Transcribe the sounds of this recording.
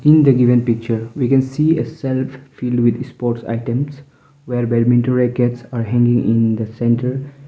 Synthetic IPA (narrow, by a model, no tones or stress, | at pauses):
ĩnd̪əɡiʋə̃npik̚t͡ʃəɾwikɛ̃nsiːəsɛlffilɖwid̪spɔːɾʈsa̰ɪʈə̃ms | weɾbɛɖmĩnʈoɾekeʈsaɾɦɛ̃ŋɡɪ̃ŋĩnd̪əsɛ̃nʈəɾ